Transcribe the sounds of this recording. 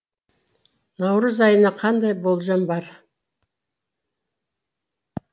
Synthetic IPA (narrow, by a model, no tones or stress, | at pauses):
nɑwɾəzɑjənɑqʰɑnd̪ɑjbo̞lˠʒɑmbɑɾ